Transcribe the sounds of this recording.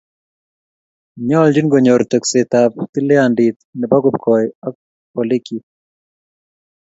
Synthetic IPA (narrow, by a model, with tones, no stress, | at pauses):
ɲɔ˦ld͡ʒi˦nɡo˨ɲoɾt̪ɛ˨kset̪apt̪i˦lɛ˦andit̪nɛ˨ba˦ɡub̚kʰɔja˦k̚ | ɔ˨li˦ki˨